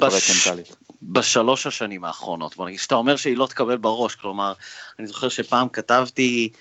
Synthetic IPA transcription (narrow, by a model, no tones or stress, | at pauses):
bvetment̪alibaʃalo̞ʃhaʃanimaːχʁo̞no̞̰t̚bo̞naɡid̥ʃat̪ao̞meʁʃeilo̞t̪e̥kabe̞lbeʁo̞ʃklo̞maʁanizo̞χeʁʃepaːmkatavti